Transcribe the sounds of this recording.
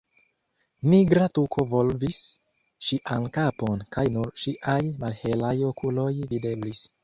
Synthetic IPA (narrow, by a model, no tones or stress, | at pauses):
niɡɾatukʰo̞vo̞lvis | ʃiʔankapo̞nkajnuɾʃiʔajmalhe̞lajo̞kulo̞jvide̞blis